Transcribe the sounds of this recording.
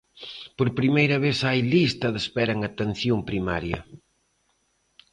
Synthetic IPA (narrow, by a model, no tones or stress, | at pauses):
poɾpɾimejɾɐβeθajlist̪ɐðespɛɾɐŋat̪en̟θjompɾima̰ɾjɐ